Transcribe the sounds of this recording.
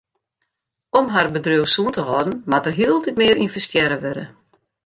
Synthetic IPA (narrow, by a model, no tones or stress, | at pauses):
ɔmɦarbədrøwsuəntəɦɔdn̩matərɦiəlˠtitmɪəɾinfəstjɛɾəʋøɾə̰